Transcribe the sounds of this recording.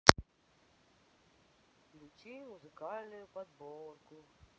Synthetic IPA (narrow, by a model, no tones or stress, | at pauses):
lʲut͡ɕimuzɨkɑlʲnʊjʊpɐd̪bɔrkʊ